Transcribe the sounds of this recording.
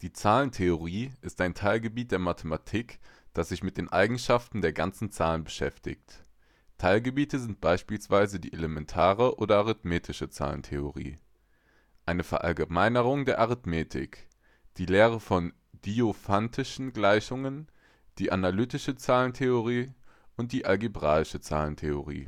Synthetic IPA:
d̥iːt͡saːləntʰeoʁiːʔɪstaɪntʰaɪlɡəbiːt̚d̥eːɐmatʰəmatʰiːkd̥asz̥ɪçmɪt̚d̥eːnʔa̰ɪɡŋ̩ʃaftn̩deːɐɡant͡sn̩t͡saːlənbəʃɛ̰ftɪ̰çt | tʰaɪlɡəbiːtəzɪnt̚b̥aɪʃpiːlsv̥aɪzədḭːʔelemɛntʰaːʁəʔoːɾɐʔaʁɪtmeːtʰɪʃət͡sa̰ːlə̰n̩tʰḛoʁḭː | ʔaɪnəfɛɐʔa̰lɡəmaɪnəʁ̞ʊŋdeːɐʔaʁɪtmeːtʰɪ̰k | d̥iːleːʁ̞əfɔn | d̥iofantʰɪʃn̩ɡlaɪçʊŋən | d̥iːʔanalyːtɪʃət͡saːləntʰeoʁ̞iːʊnt̚d̥iːʔalɡibʁaːɪʃət͡sa̰ːləntʰeoʁ̞ḭː

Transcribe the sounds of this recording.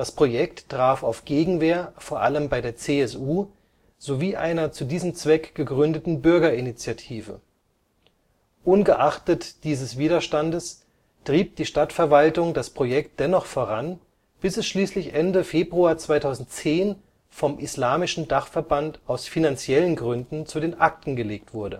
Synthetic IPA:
d̥aspʁ̥ojɛktːʁ̥aːfaʊfɡ̥eːɡŋ̩veːɐfoːɐʔa̰ləmbaɪdeːɐt͡seːɛsuː | z̥oviːʔa̰ɪnɐt͡sudiːzəm̩t͡sv̥ɛkɡ̥əɡʁʏndətn̩bʏɐɡɐɪnit͡sjatʰiːvə̰ | ʔʊnɡəʔaχtətd̥iːzəsv̥iːdɐʃtandəs | d̥ʁ̥iːp̚d̥iːʃtatfɛɐvaltʊŋdaspʁ̥ojɛkt̚d̥ɛnɔχfoːʁan | b̥ɪsɛsʃliːslɪçʔɛndəfeːbʁuaːɐt͡sv̥aɪtʰaʊzn̩tt͡seːn | fɔmʔɪslaːmɪʃn̩daχfɛɐbantaʊsfinant͡sjɛlənɡʁʏndn̩t͡sudeːnʔak̚tn̩ɡəleːk̚tv̥ʊɐdə̰

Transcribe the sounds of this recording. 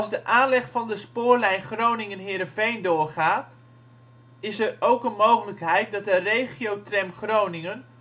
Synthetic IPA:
ɑlˠzdəʔaːnlɛχfɑndəspʊːɹlɛjnχrownɪŋənɦɪːɾəfejndʊːrχaːt | ɪsərowkənmowχələkɦɛjt̚dɑt̚dərejχijowtrɛmχrownɪŋən

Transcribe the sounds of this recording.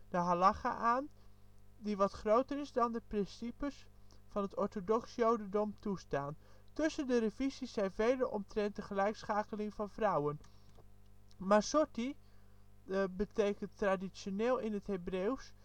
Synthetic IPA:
d̥əɦalɑχa̰ʔaːn | diʋɑtχrowtərɪzdɑndəprɪnsipəs | fɑnɦətɔɹtodɔksjowdəndɔmtustaːn | tʏsəndərəvizisːɛjnvejdəʔɔ̰mtrɛnt̚dəχəlɛjksχaːkəlɪŋvɑnvrʌwən | maːɹsɔɹti | bətejkəntradisjoneːlˠɪnɦətɦebrews

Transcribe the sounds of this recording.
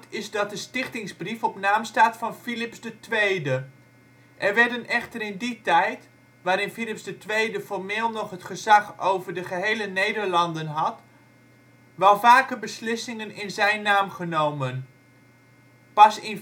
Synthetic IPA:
tɪzdɑt̚dəstɪχtɪŋzbrifɔpnaːmstaːtfɑnfilɪpsdətʋejdə | ʔɛrʋɛɹdənɛχtərɪnditɛjt | ʋaːɾɪnfilɪpsdətʋejdəfɔrmɪːlˠnɔχɦətχəzɑχowvəɹdəχəɦejlənejdəɹlɑndənɦɑt | ʋɛlˠvaːkəbəslɪsɪŋənɪnzɛjnːaːmχənowmən | pɑsɪn

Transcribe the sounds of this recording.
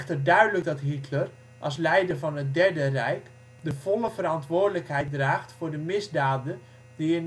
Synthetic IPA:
tədœɥdələk̚dɑtɦitʰlər | ʔɑlˠs̬lɛjdərvɑnɦət̚dɛrdərɛjk | dəv̥ɔləvəɾɑntʋʊːrdələkɦɛjt̚draːχtfʊːɹdəmɪzdaːdə | diɪn

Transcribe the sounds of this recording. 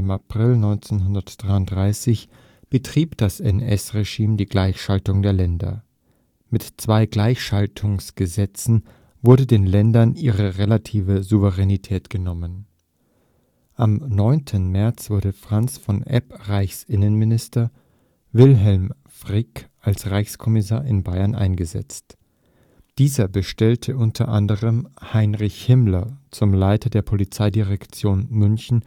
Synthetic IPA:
ɪmapʁ̥ɪlnɔʏnt͡senɦʊndɐtd̥ʁaɪʊnd̥ʁaɪsɪç | b̥ətʁ̥iːpd̥asɛnɛ̰sʁeʒiːmdiːɡlaɪçʃaltʊŋdeːɐlɛndɐ̰ | mɪtt͡sv̥aɪɡlaɪçʃaltʰʊŋsɡ̥əzɛt͡sn̩ | vʊɐɾədeːnlɛndɐnʔiːʁəʁelatʰiːvəzuvəʁenitʰɛːtɡ̥ənɔmən | ʔamnɔʏntʰənmɛɐt͡sv̥ʊɐɾəfʁ̥ant͡sfɔnʔɛ̰pʁaɪçsʔɪnənmɪnɪstɐ | vɪlɦɛlm | fʁ̥ɪkʔalsʁaɪçskʰɔmɪs̬aːɐʔɪnbaɪɐnʔa̰ɪnɡəzɛ̰t͡st | d̥iːzɐbəʃtɛltʰəʔʊntʰɐ̰ʔandəʁəmhaɪnʁɪçhɪmlɐt͡sʊmlaɪtʰɐdeːɐpʰolit͡saɪdiʁɛkt͡sjoːnmʏnçn̩

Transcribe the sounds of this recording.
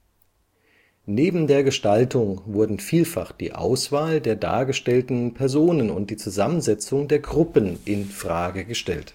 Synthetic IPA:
neːbm̩deːɐɡəʃtaltʰʊŋvʊɐdn̩fiːlfa̰χd̥ḭːʔa̰ʊsv̥aːldeːɐda̰ːɐɡəʃtɛltn̩pʰɛɐzoːnənʊ̰nt̚d̥iːt͡suzamənzɛt͡sʊŋdeːɐɡʁʊpənʔɪnfʁ̥aːɡəɡəʃtɛ̰lt

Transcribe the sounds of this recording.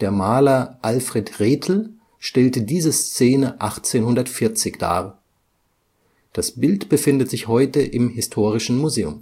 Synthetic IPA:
d̥eːɐmaːlɐʔalfʁ̥ɛtʁeːtʰl̩ | ʃtɛltədiːzəst͡seːnəʔaχt͡seːnhʊndɐtfɪɐt͡sɪçd̥a̰ː | d̥asb̥ɪltb̥əfɪndətz̥ɪçhɔʏtəʔɪmhɪstʰoːʁɪʃn̩muzeːʊm

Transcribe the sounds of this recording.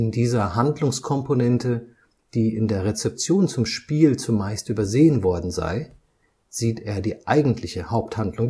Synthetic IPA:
ɪndiːzɐhandlʊŋskʰɔmponɛntə | d̥iːʔɪndeːɐʁet͡sɛp̚t͡sjoːnt͡sʊmʃpiːlt͡sʊmːaɪstʔyːbɐzeːənvɔɐdn̩za̰ɪ | z̥iːtʔeːɐdiːʔaɪɡŋ̩tʰlɪçəhaʊp̚thandlʊŋ

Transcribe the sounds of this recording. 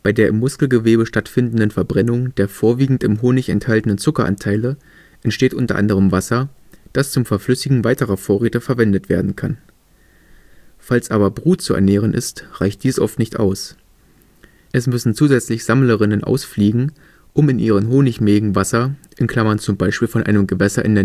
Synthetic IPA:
b̥aɪdeːɐɪmːʊskl̩ɡəveːbəʃtatfɪndn̩dənfɛɐbʁɛnʊŋd̥eːɐfoːɐviːɡŋ̩tɪmɦoːnɪçɛ̰nthaltən̩ənt͡sʊkɐʔa̰ntʰaɪlə | ʔɛntʃteːtʔʊntɐʔa̰ndəʁəmvasɐ | d̥ast͡sʊmfɛɐflʏsɪɡŋ̩vaɪtəʁɐfoːɐʁeːtəfɛɐvɛndətv̥ḛːɐdn̩kʰa̰n | falsʔaːbɐbʁuːtt͡suɛ̰ɐneːʁ̞ənʔɪ̰stʁ̥aɪçt̚d̥iːsʔɔ̰ftnɪçtʔa̰ʊs | ʔɛsmʏsn̩t͡suːzɛt͡slɪçz̥amləʁɪnənʔa̰ʊsfliːɡŋ̩ | ʔʊmɪnʔḭːʁ̞ənɦoːnɪçmeːɡŋ̩vasɐʔɪnkʰl̥amɐnt͡sʊmbaɪʃpiːlfɔnʔa̰ɪnəmɡəvɛsɐʔɪ̰ndeːɐ

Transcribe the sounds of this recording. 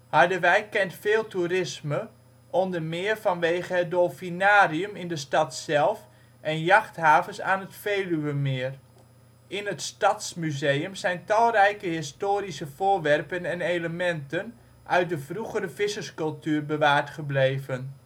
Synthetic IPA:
hɑɹdəʋɛjkːɛntfɪːlˠtuɾɪsmə | ʔɔndəɹmɪːrfɑnʋeːχəɦədolˠfinaːriəmɪndəstɑtsɛlˠf | ʔɛnjɑχtɦaːvənsa̰ːnətfeːlyʋəmɪːr | ʔɪnətstɑtsmyzejəmzɛjntɑlˠrɛjkəɦɪstoːɾisəv̥oːrʋɛrpənɛneləmɛntən | ʔœɥt̚dəvruχəɾəvɪsəskɵlˠtyːrbəʋaːɹtχəblejvən

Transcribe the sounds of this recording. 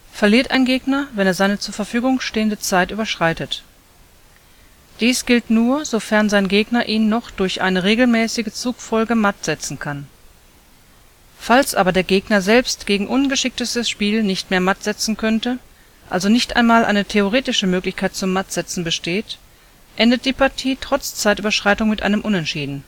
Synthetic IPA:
fɛɐliːɐtʔa̰ɪnɡeːɡnɐvɛneːɐzaɪnət͡suːɐfɛɐfyːɡʊŋʃteːəndət͡saɪtʔyːbɐʃʁ̥aɪtət | d̥iːsɡ̥ɪltnuːɐzofɛɐnzaɪnɡeːɡnɐʔiːnːɔχd̥ʊɐçʔa̰ɪnəʁeːɡl̩mɛːsɪɡət͡suːkfɔlɡəmatz̥ɛt͡sn̩kʰan | falsʔa̰ːbɐdeːɐɡeːɡnɐzɛlpstɡ̥eːɡŋ̩ʔʊnɡəʃɪk̚təstəsʃpiːlnɪçtmeːɐmatz̥ɛt͡sn̩kʰœntə | ʔa̰lzonɪçtʔa̰ɪnmaːlʔa̰ɪnətʰeoʁ̞eːtɪʃəmøːklɪçkʰaɪt̚t͡sʊmːatz̥ɛt͡sn̩bəʃteːt | ʔɛndət̚d̥iːpaɐtʰiːtʁ̥ɔt͡st͡saɪtyːbɐʃʁ̥aɪtʊŋmɪtʔa̰ɪnəmʔʊnɛntʃiːdn̩

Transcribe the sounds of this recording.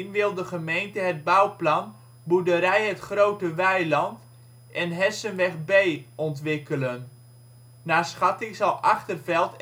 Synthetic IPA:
nʋɪlˠdəχəmejntəɦəd̚bawplɑn | budəɾɛjɦətχrowtəʋɛjlɑnt | ʔɛnɦɛsənʋɛχbejɔntʋɪkələn | naːsχɑtɪŋzɑlˠʔɑχtərvɛlˠt

